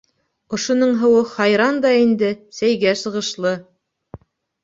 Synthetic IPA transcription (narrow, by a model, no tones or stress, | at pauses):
ŏʃŏnɤɴɦɤ̆wɤχɑjɾɑnd̪ɑind̪ɘsæjɡæsɤ̆ʁɤ̆ʃlˠɤ